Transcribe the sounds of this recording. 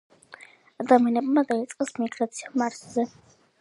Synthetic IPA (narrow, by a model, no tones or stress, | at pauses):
ad̪amianɛbmad̪ait̪sʼqʼɛsmiɡɾat̪sʰiamaɾszɛ